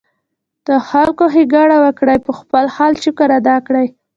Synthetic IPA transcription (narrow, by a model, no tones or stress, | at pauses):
d̪̥əxalkoɦiɡɑɽawəkɽajpəxpəlxɑlt͡ʃukəɾad̪ɑkɽaj